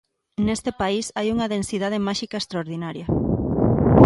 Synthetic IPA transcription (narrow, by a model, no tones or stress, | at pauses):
nest̪epaisajuŋɐðensiðað̞emaʃikɐest̪ɾaoɾðinaɾjɐ